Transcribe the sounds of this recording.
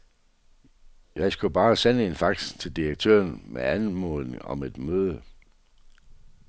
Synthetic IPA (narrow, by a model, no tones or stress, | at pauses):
jɑ̈ɪsɡ̥ub̥ɑ̈ːsenəe̝nfɑ̈ɡ̥st͡sʰe̝ld̥iɐɡ̥̚t͡sʰø̰ːɐnmeænmɔðˠne̝ŋɒ̽me̝d̥møːð̞ˠə